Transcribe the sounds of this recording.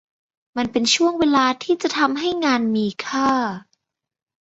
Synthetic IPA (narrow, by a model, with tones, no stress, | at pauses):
ma˧npe˧nt͡ɕʰu˥˩əŋweː˧laː˧t̪ʰiː˥˩t͡ɕa˨˩t̪ʰa˧mɦa˥˩jŋaː˧nmiː˧kʰaː˥˩